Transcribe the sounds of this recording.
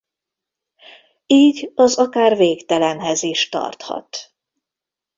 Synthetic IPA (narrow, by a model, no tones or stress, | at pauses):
iːɟɒzɒkaːrveːkt̪ɛlɛnɦɛziʃt̪ɒ̰rt̪hɒ̰t̪